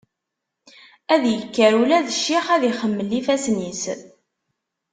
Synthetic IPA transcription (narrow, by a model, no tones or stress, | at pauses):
æðjəkːəɾulæðəʃːiχæðiχəmːəlːifæsnis